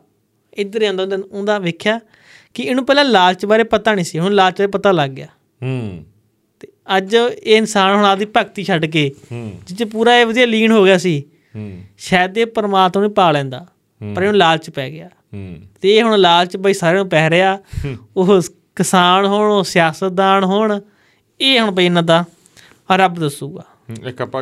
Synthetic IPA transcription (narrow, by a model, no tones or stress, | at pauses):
ɪd̪əɾiːə̃nd̪õnd̪ɪnʊ̃nd̪aːʋeːkʰjaː | kɪɪnũːpɛːlãːlaːlt͡ʃbaːɾeːpət̪aːnĩːsiːɦʊ̃nlaːlt͡ʃbaːɾeːpət̪aːləɡːɪjaː | t̪eːəd͡ʒeːɪnsaːnɦʊɳ̃aːd̪iːpəkt̪iːʃʰəɖk̬eːd͡ʒɪt͡ʃpuːɾaːeːʋəd̪iːaːliːnɦoːɡɪjaːsiː | ʃɛːd̪eːpəɾmaːt̪maːnĩːpaːlɛ̃ːnd̪aː | pəɾeːɦnlaːlt͡ʃpɛːɡɪjaː | t̪eːeːɦʊɳlaːlt͡ʃbaiːsaːɾeːũːpɛːɾeaːoː | kɪsaːnɦoːɳoːsɪjaːsət̪̚d̪aːnɦʊɳ | eːɦʊɳbəiːnːãːd̪aː | ɾəbd̪əsuːɡaː